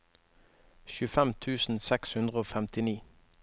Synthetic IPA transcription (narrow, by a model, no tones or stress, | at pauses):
ʃʉːfɛmt̪ʰʉːsn̩sɛkshʉnd̪ʁəoːfɛmt̪ɪniː